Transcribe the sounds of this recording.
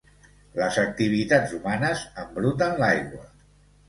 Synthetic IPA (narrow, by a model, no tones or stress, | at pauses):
ləzək̚t̪iβ̞it̪ad͡zumanəzəmbɾut̪ənlajɣwə